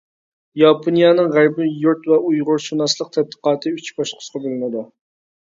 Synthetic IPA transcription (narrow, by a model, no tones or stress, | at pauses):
jɑpʰonijɑnɨŋʁæɾbɪjuɾt̪vɛujʁʊɾʃunɑslˠəq̚t̪ʰɛd̪̚d̪ə̥qɑːt̪ʰɨyt͡ʃʰbɑʃqʰʊ̥sqʰɑbølˠɨnɨd̪u